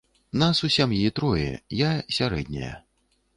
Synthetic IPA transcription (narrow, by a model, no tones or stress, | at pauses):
nasusʲamjit̪ɾɔjɛ̰jasʲaɾɛ̰d̪̚ʲnʲɐ̰jɐ̰